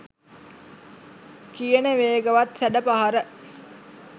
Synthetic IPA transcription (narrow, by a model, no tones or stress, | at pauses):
kijənəʋeːɡəʋat̪sæɖəpaɦaɾə